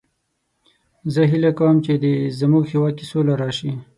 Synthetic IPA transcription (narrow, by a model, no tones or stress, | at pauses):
zəɦilakawəmt͡ʃed̪ezəmuɡxiwɑkisolaɾɑʃi